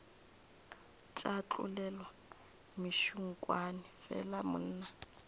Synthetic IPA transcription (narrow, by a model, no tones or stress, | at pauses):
t͡ʃʼat͡ɬʼṵlɛlwa | miʃuŋ̩kʼwanɪfɛ̰lamʊ̰n̩ːna